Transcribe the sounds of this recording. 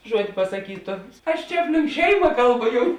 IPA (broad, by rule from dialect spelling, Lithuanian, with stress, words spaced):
ˈʒuɔtʲ pɐsɐˈkʲiːtʊ ɐʃ ˈt͡ʃʲɛ ˈɑːpʲˌlʲɪŋk ˈʃʲɛɪmɐ ˈkɐlˠˌbʊ ˈjʊm